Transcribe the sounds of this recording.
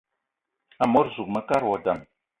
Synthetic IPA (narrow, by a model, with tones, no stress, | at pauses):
a˨mo˦ɾzu˨k̚mə˦ka˦ɾwɔ˨da˨m